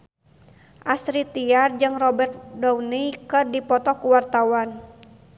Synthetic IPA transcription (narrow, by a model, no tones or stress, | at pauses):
ʔasɾit̪iard͡ʒɨŋrɔbɛrt̪̚dɔwnikɨrdipɔt̪ɔkuwart̪awan